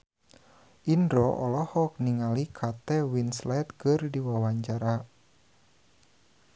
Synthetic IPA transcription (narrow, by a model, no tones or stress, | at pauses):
ʔindɾɔʔɔlɔhɔk̚niŋalikʰat̪ɛwinslɛt̪̚kɨrdiwawaɲt͡ʃaɾa